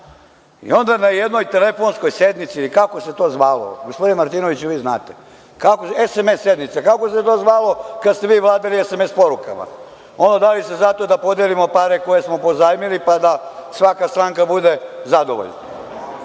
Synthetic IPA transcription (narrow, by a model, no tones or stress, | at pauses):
ḭo̞nd̪anajed̪no̞jt̪e̞lefo̞nsko̞jsed̪mit̪silikako̞se̞t̪o̞ːzʋaːlo̰ɡospod̪inemaɾt̪iːnoʋit͡ɕuʋiːznaːt̪e | kakoesemesːe̞d̪nit̪sakako̞set̪oːzʋaːlo̞kad̪st̪e̞ʋiːʋlˠaːd̪aliesemespo̞ɾuka̰ma̰ | o̞ndod̪alisezat̪od̪apo̞d̪elimo̞paɾeko̞je̞smo̞po̞zaːjmilipad̪asʋakast̪ɾaːŋkabud̪e̞zad̪o̞̰ʋoʎna